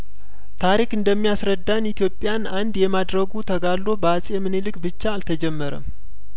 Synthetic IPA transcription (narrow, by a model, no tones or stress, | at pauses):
t̪ʰaɾikɨnd̪əmːijasɾəd̪ːanit̪ijo̞pʼːjanand̪jɛmad̪ɾəɡut̪ʰəɡalːo̞bəasʼemɨnelɨkʼbɨt͡ʃːaːlt̪ʰəd͡ʒɛmːəɾə̰m